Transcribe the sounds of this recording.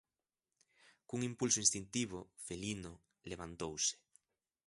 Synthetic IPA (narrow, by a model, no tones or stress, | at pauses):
kuŋimpulsoĩnst̪int̪iβ̞ofelino | leβant̪owse̥